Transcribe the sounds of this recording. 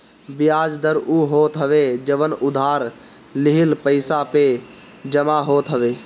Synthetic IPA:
bɪjaːd͡ʒd̪əɾuːɦoːt̪ɦəʋed͡ʒəʋənʊd̪ʱaːɾ | lɪɦɪlpəɪsape | d͡ʒəmaɦoːt̪ɦəʋeː

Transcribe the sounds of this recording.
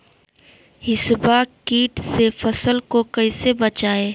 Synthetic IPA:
hɪsbakiːʈsefɐsəlkokɐɪsebət͡ʃaːeː

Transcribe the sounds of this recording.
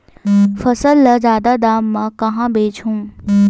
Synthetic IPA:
fɐsəlːɐzjaːd̪ad̪aːmːãkɐɦãːbeːt͡ʃʰũː

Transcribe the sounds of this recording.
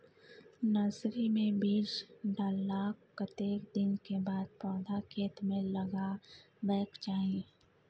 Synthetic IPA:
nasɾimẽbiːɾd͡ʒɖaːlːaːkkət̪eːkd̪ɪnkebaːd̪̚pɔːd̪ʱakʰeːt̪mẽlɐɡa | bɛːkt͡ʃaːĩ

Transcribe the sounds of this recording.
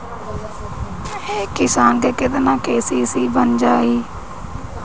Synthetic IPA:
eːkɪsaːnɡ̪eːkɪd̪eːnãːkeːsiːsiːbənd͡ʒaːiː

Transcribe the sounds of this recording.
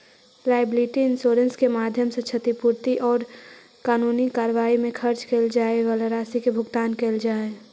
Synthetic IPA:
laːɪbliːʈiɪnsoːɾə̃nskemaːd̪ʱjəmset͡ʃʰət̪ipuɾt̪iʔɔːɾ | kaːnuːnikaːɾəʋaːimẽkʰəɾt͡ʃkeld͡ʒaːeʋələɾaːsikebʱʊɡt̪aːnkeld͡ʒaːe

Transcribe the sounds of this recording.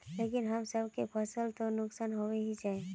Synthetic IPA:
lekɪnɦəmsəbkepʰəsəlt̪onʊksaːnɦoweɦid͡ʒaːe

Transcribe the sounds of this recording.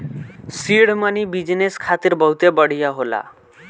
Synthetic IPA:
siɽmanibid͡ʑneskʰat̪iɾbəɦut̪ebəɽ̤ijaɦola̰

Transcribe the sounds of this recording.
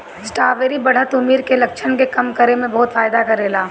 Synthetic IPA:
sʈaːʋeːɾibɐɽ̤ət̪ʊmiːɾkelɐkʃʰənkekɐmkɐɾemẽbɔɦʊt̪faːjd̪akɐɾeːlaː

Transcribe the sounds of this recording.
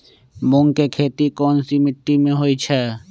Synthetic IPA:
mʊŋkekʰeːt̪ikɔːnsimɪʈːimẽɦoːit͡ʃʰɛ

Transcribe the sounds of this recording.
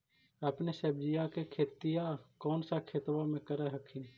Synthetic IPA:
əpnesəbd͡ʒijakekʰeːt̪ijakɔːnsakʰeːt̪wamẽkəɾaɦəkʰĩn

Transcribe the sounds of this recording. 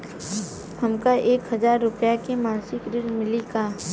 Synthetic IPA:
hɐmkaʔeːkɦɐzaːɾːʊpjakemãːnsɪkɾɪɾmɪlikaː

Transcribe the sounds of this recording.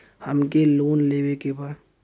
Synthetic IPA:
həmkeloːnleːwekebaːd̪

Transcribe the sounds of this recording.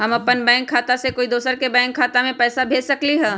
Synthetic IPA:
ɦɐmɐpːənbɛ̃ːŋkʰːaːt̪asekoːid̪oːsəɾkebɛ̃ːŋkʰːaːt̪amẽpɛːsabʱeːd͡ʒsɐkliɦɛ̃ː

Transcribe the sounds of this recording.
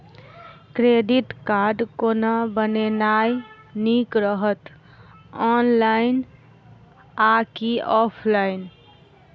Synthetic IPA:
kɾeɖiʈkaɾɖkonabənenaj | nikɾəɦət̪ | ɔnlain | akiɔpʰlain

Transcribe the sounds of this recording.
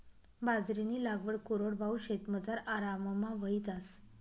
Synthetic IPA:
bad͡zɾiniːlaɡʋəɽkoɾoɽbʱauɕet̪məd͡zaɾaɾaməmaʋəid͡zas

